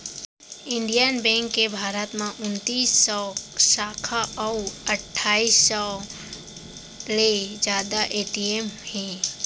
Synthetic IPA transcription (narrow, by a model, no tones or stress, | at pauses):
ɪ̃ɳɖijənbɛ̃ːŋkːebʱaːɾət̪mãʔʊnt̪iːsːɔːsaːkʰaʔɔəʈʰːaːiːsɔ | led͡ʒjaːd̪aʔeːʈiemhɛ̃ː